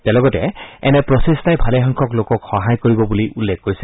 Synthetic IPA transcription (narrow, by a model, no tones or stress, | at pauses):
tɛlɔɡɔtɛ̰ɛnɛpɹɔsestajbʱaleɦaŋkʰɔklokɔkxɔɦajkoɹibɔbuliʔulːɛkːoɹis